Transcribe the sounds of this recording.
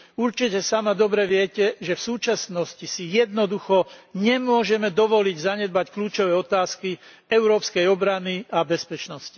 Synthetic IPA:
uɾt͡ʃicɛsamad̪ɔbɾɛʋɪɛcɛʒɛfsuːt͡ʃasnɔscisijɛd̪nɔd̪uxɔɲɛmʊɔʒɛmɛd̪ɔʋɔliɟzaɲɛd̪̚backluːt͡ʃɔʋɛːɔt̪aːski | ɛʊɾɔːpskɛjɔbɾaniabɛspɛt͡ʃnɔsci̥

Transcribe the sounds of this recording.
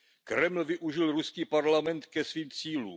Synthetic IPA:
kɾɛmlvɪʔuʒɪlɾuskiːpaɾlamɛnt̪kɛsviːmt͡siːluː

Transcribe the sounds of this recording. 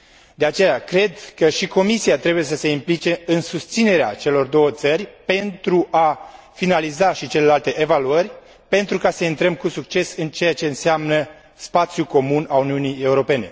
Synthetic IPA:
d̪e̞at͡ʃe̞jakɾe̞d̪kəʃiko̞misiat̪ɾe̞buje̞səse̞implit͡ʃe̞ɨnsust̪sine̞ɾeat͡ʃe̞lo̞rd̪o̞wət̪sərʲpe̞nt̪ɾuʔa | finalizaʃit͡ʃe̞le̞lalt̪e̞ʔevaluərʲ | pe̞nt̪ɾukasəint̪ɾəmkusukt͡ʃe̞sɨnt͡ʃe̞jat͡ʃe̞ɨnseamnə | spat̪sjuko̞munauniunije̞uɾo̞pe̞ne̞̰

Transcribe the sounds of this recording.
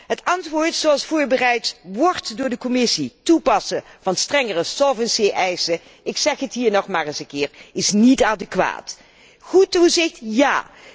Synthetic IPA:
ɦətɑntʋʊːɹtsoɑlˠsfʊːɹbərɛjtʋɔɹtdʊːɹdəkɔmɪsitupɑsəv̥ɑnstrɛŋərəsɔlˠvənseʔɛjsə | ɪksɛχɦətɦiːɹnɔχmaːɹɪsəŋkɪːɹɪsnitaːdəkʋa̰ːt | χutuzɪxtjaː

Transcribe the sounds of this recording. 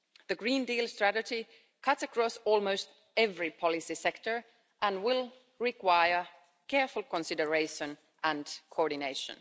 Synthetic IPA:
ðɨɡɹĩndilˠstɹ̥æɾɨd͡ʒi | kʰʌtsəkʰɹ̥ɔsɔlˠmoʊst | ɛvɹipʰɑlˠɪsisɛktə˞ | ʔə̃nwɪlˠ | ɹɪkwaɪə˞ | kʰɛɹfʊl̩ˠkə̃nsɪdə˞eɪʃə̃n | ʔə̃nkʰoɔɹdɪneɪʃə̰̃n

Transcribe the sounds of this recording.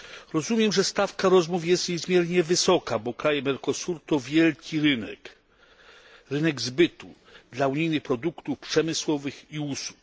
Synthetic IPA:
ɾɔzumʲjɛmʐɛst̪afkaɾɔzmufjɛst̪ɲɛzmʲjɛɾɲɛvɘsɔkabɔkɾajɛmɛɾkɔsuɾt̪ɔvʲjɛlkʲiɾɘnɛ̰k | ɾɘnɛɡzbɘt̪u | d̪lauɲijnɘxpɾɔd̪ukt̪ufpʂɛmɘswɔvɘxiusu̥k̚

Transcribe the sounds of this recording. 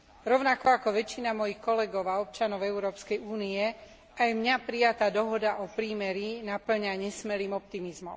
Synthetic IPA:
ɾɔʊnakɔakɔʋɛt͡ʃːinamɔjixkɔlɛɡɔʊaɔp̚t͡ʃanɔʊɛʊɾɔːpskɛjuːniɛ | ajmɲapɾijat̪aːd̪ɔɦɔd̪aʔɔpɾiːmɛɾinapl̩ɲaɲɛsmɛɾiːmɔp̚t̪imizmɔ̰m

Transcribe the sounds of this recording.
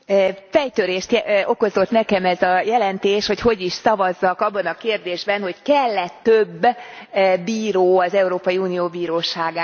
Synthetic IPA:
fɛjt̪øɾeːʃt̪ɛo̞ko̞zo̞t̪nɛkɛmɛzɒjɛlɛnt̪eːʃho̞cho̞ɟiʃsɒvɒzːɒkɒbːɒnɒkeːrd̪eːʒbɛnho̞ckɛlːɛt̪ːøbː | iːɾoːɒzɛuɾoːpɒjiuːnijoːbiːɾoːʃaːɡaː

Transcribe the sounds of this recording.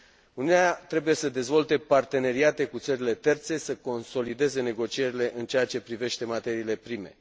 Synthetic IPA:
uniuneat̪ɾe̞buje̞səd̪e̞zvo̞lt̪e̞part̪e̞ne̞ɾiat̪e̞kut̪səɾile̞t̪e̞rt̪se̞səko̞nso̞lid̪e̞ze̞ne̞ɡo̞t͡ʃie̞ɾile̞ʔɨnt͡ʃeat͡ʃe̞pɾive̞ʃt̪e̞mat̪e̞ɾiːle̞pɾime̞

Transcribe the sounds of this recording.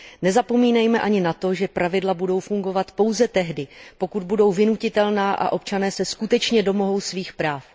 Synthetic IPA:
nɛzapo̞miːnɛjmɛʔaɲɪnat̪o̞ʒɛpɾʔavɪdlabudo̞wfuŋɡo̞vat̪po̞wzɛt̪ɛɦdɪpo̞kud̪̚budo̞wvɪnucɪt̪ɛlnaːʔa̰ʔo̞p̚t͡ʃanɛːsɛskut̪ɛt͡ʃɲɛdo̞mo̞ɦo̞wsviːxpɾaːf

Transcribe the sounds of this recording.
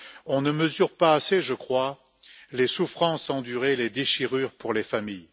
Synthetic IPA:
ɔ̃nəməzyʁpaːseʒəkχwa | lesufχɑ̃sɑ̃d̪yʁeled̪eʃiʁyʁpuʁlefamij

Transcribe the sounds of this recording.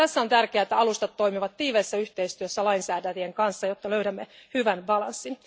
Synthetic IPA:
æsːæo̞nt̪ærkeæːet̪ːæɑlust̪ɑt̪ːo̞jmiʋɑt̪tiːʋeːsːæyht̪eist̪yøsːælɑinsæːdætieŋkɑnsːɑjot̪ːɑløyɾæmːehyʋænbɑlɑnsːin

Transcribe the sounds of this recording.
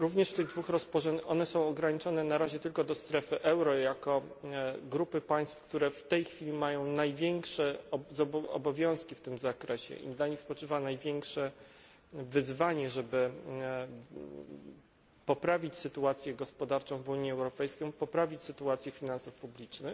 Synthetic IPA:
ɾuvɲɛʂft̪ɘɣd̪vuxɾɔspɔʐɛɔnɛsɔ̃w̃ɔɡɾaɲit͡ʂɔnɛnaɾaʑɛt̪ɘlkɔd̪ɔst̪ɾɛfɘʔɛwɾɔjakɔ | ɡɾupɘpaj̃st̪fk̚t̪uɾɛft̪ɛjxfʲilʲimajɔ̃w̃najvʲjɛŋkʂɛzɔɔ̰bɔvʲjɔ̃w̃skʲift̪ɘmzakɾɛɕɛ̰ʔḭnd̪laɲispɔt͡ʂɘvanajvʲjɛŋkʂɛ | vɘzvaɲɛʐɛbɘ | pɔpɾavʲit͡ɕsɘt̪uat̪sʲjɛɡɔspɔd̪aɾt͡ʂɔ̃w̃vuɲjɛɛwɾɔpɛjskʲɔ̃pɔpɾavʲit͡ɕsɘt̪uat̪sʲjɛfʲinansufpublʲit͡ʂnɘx

